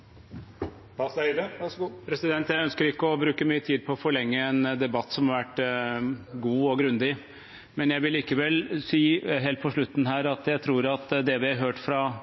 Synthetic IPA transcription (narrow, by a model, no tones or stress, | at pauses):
ɑsæd̪əpʰɾɛsɪd̪ɛnt̪jæɪœnskəɾɪkːəɔbɾʉːkəmyːət̪ʰiːd̪̚pʰɔːfɔɭɛŋːəɛnd̪ɛbɑt̪ːsɔmhɑɾʋæʈː | ɡuːɔɡɾʉnd̪ɪ | mɛnjæɪʋɪlːiːkəʋɛlsiːɦeːlt̪̚pʰɔʂɭʉt̪ːn̩ɦæːɾɑt̪jæɪt̪ʰɾuːɾɑt̪d̪ɛʋɪɑɦøːʈfɾɑ